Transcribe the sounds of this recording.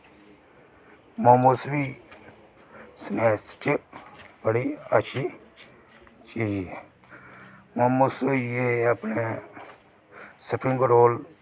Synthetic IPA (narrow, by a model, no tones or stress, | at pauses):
momusbiː | sneːst͡ʃ | bəɽiːət͡ʃʰiː | t͡ʃiːd͡ʒ | momusjeəpne | səpʰɪ̃ŋɡɾoːl